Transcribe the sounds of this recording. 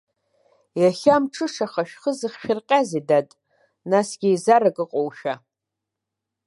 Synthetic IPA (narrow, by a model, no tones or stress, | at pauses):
jaχʲamʈ͡ʂʰɨʂaχaʃᶣχəzɨχʃᶣɪrqʲʼazidatʼ | nasɡʲijzaɾakʼɨqʼowʃᶣa